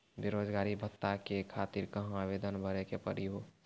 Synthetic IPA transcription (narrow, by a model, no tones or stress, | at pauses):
beɾoːd͡ʒɡaːɾibʱət̪ːakekʰaːt̪iɾkəɦaʋeːd̪ənbʱəɾekepəɾiɦo